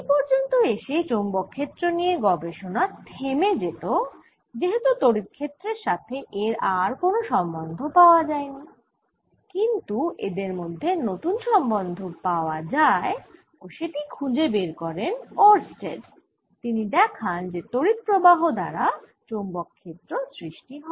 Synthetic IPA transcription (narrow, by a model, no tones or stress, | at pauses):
ipɔɾd͡ʑont̪oeʃet͡ɕombɔkʰːet̪ːɾonieɡɔbeʃonat̪ʰemed͡ʑet̪o | d͡ʑeɦet̪ut̪oɾit̪̚kʰːet̪ːɾeɾʃat̪ʰeʔeɾaɾkonoʃɔmbond̪ʱopaoad͡ʑaeni | kint̪uḛd̪eɾmod̪ʱːenot̪unʃɔmbond̪ʱopaoad͡ʑae | oʃeʈikʰud͡ʑebeɾkɔɾenoɾsʈḛɖ | t̪inid̪ɛkʰand͡ʑet̪oɾit̪̚pɾobaɦod̪a̰ɾa | t͡ɕombokʰːet̪ːɾosɾiʃʈiɦ